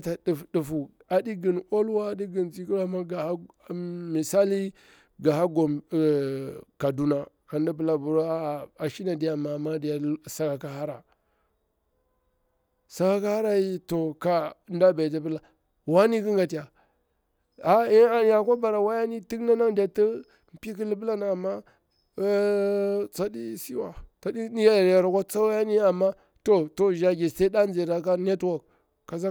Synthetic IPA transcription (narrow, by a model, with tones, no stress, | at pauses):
ta˨ɗi˨fdu˨fu˨ | a˨di˦ɡi˨no˦lwa˦di˦ɡi˨nt͡si˦ki˦ɾa˦ma˦ɡa˨ha˦ | mi˨sa˦li˦ | ɡa˨ha˦ɡo˨ | ka˨du˦na˦ | a˨n˦da˦bə˨la˨bu˨ɾo˦a˦˨a˨ʃi˦na˨di˨ja˨ma˨ma˦di˨ja˨˦sa˨ka˨ka˦ha˦ɾa˨ | sa˨ɡa˨˦ka˦ha˦ɾa˦ji˦to˨ka˨˦nda˦be˨da˨˦bə˦la˨ | wa˦ni˦ki˦ŋɡa˨ti˨ja˨ | a˦a˨n˨ja˨kʷa˦ba˨ɾa˨wa˦ja˦ni˦ti˦kna˦na˦˨da˨tə˦ | m˨pi˦ki˦li˦bə˦la˦n˨a˨mːa˦ | t͡sa˦di˦si˦wa̰˨t͡sa˦di˦n˦ja˦jɾja˨ɾa˨kʷa˦t͡sa˦wa˦ja˦ni˦a˨mːa˦ | to˦to˦ʒa˦ɡe˨ste˦da˦n˦e˨ɾa˨ka˦ne˦two˦˨k̚ | kːa˨sa˦